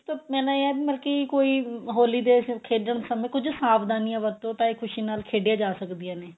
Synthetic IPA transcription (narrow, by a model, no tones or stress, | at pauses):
t̪omɛ̃ːnãːeɛːbiːməlkikoːiːɦoːliːd̪eːkʰeːɖəɳsəmẽːkʊd͡ʒsaːbd̪aːniːãːʋət̪õːʈ̪aːikʰʊʃiːnaːlkʰeːɖɪjaːd͡ʒaːsəkd̪ijaːneː